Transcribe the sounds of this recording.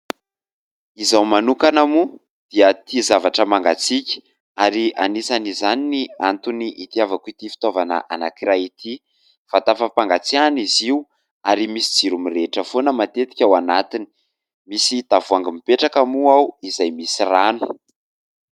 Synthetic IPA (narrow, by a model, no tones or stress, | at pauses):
izawmanukanamu | d̪̥iət̪izavaʈ͡ʂəmaŋɡat͡sikʲə̥ | aɾianisanizaniniant̪uniʔit̪iavakit̪ifi̥t̪ovanə̰ʔa̰nakiɾait̪ʰi | fat̪afapaŋɡat͡sianiziu | aɾimisid͡ziɾumiɾeʈ͡ʂəfonəmat̪et̪i̥kʲawanat̪ini̥ | misit̪avuaŋɡimipeʈ͡ʂakamuawizajmisiranu̥